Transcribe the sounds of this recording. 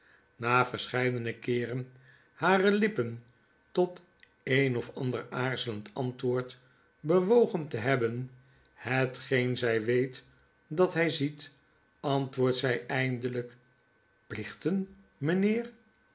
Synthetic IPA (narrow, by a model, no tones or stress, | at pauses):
naːfəɹsχɛjdənəkɪːrən | haːrəlɪpən | tɔt | ejnɔfɑndəɹaːɹzələntɑntʋʊːɹt | bəʋowχəntəɦɛbən | hətχejnzɛjʋejt | dɑtɦɛjzit | ɑntʋʊːɹtsɛjʔɛjndələk | plɪχtən | mənɪːr